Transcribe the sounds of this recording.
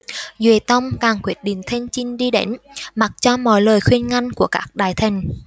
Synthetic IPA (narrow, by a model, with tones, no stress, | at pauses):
zwi˨˧˩t̪ə˧wŋ͡mkaː˨˩ŋkwi˦˥ət̚ɗḭ˧˨ŋ̟t̪ʰe˧nt͡ɕi˧ŋ̟ɗi˧ɗe˨˦nma˨˩t̚t͡ɕɔ˧mɔ̰˧˨˦jləː˨˩jxwi˧ənŋa˧jŋ̟ku˧˩əkaː˦˥k̚ɗaː˧˩jt̪ʰï˨˩ŋ̟